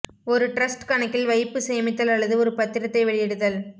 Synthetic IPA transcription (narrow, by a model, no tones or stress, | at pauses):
ɔɾɯʈɾɐsʈkɐɳɐkːɪlʋɐɪpːɯsɛjɐmɪt̪ːɐlɐɭːɐðɯɔɾɯpɐt̪ːɪɾɐt̪ːɐɪʋɛɭɪjɛɽɯðɐl